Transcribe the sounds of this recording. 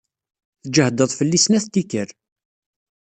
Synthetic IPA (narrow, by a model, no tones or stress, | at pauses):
θd͡ʒəhd̪əðˤfəlːisnæθt̪ːikəɾ